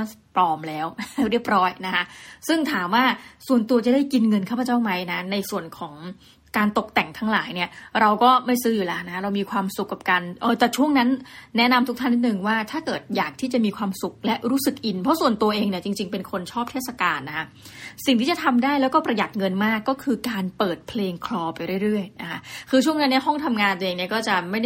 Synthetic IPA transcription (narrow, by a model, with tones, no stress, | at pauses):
pɔː˧˩mlɛː˦˥wɾi˥˩əp̚ɾɔː˦˥jna˦˥kʰa˦˥sɯ˥˩ŋt̪ʰaː˩˦mwaː˥˩su˨˩ənt̪u˧t͡ɕa˨˩daː˥˩jki˧nŋɤ˧nkʰaː˥˩pʰa˧t͡ɕaː˥˩wma˦˥jna˦˥na˧jsu˨˩ənkʰɔː˩˦ŋ | kaː˧nt̪o˨˩k̚t̪ɛ˨˩ŋt̪ʰa˦˥ŋlaː˩˦jni˥˩ɐɾa˧wkɔː˥˩ma˥˩jsɯː˦˥juː˨˩lɛ˦˥na˦˥kʰa˦˥ɾa˧wmiː˧kʰwaː˧msu˨˩kːa˨˩p̚ka˧nʔɤː˧˩t̪ɛ˨˩t͡ɕʰu˥˩əŋna˦˥nːɛ˦˥na˧mt̪ʰu˦˥t̪ʰa˥˩nːi˥t̪nɯ˨˧ŋwaː˥˩t̪ʰaː˥˩kɤː˨˩t̪̚jaː˨˩k̚t̪ʰiː˥˩t͡ɕa˨˩ʔmiː˧kʰwaː˧msu˨˩k̚lɛ˦˥ɾuː˦˥sɯ˨˩k̚ʔi˧npʰɔ˦˥su˨˩ənt̪u˧ʔeː˧ŋni˥˩ɐt͡ɕi˧ŋt͡ɕi˧ŋpe˧nkʰo˧nt͡ɕʰɔː˥˩p̚t̪ʰeː˥˩t̪sa˧kaː˧nːa˦˥kʰa˦˥ | si˨˩ŋt̪ʰiː˥˩t͡ɕa˨˩t̪ʰa˧mdaː˥˩jlɛ˦˥wkɔː˥˩pɾa˧ja˨˩t̪̚ŋɤ˧nmaː˥˩kːɔː˥˩kʰɯː˧kaː˧npɤː˨˩t̪̚pʰleː˧ŋkʰlɔː˧pa˧jɾɯ˥˩əjɾɯ˥˩əjna˦˥kʰa˦˥kʰɯː˧t͡ɕʰu˥˩əŋna˦˥nːi˥˩ɐɦɔ˥˩ŋt̪ʰa˧mŋaː˧nt̪ːeː˧ŋni˥˩ɐkɔː˥˩t͡ɕa˨˩ma˥˩ja˥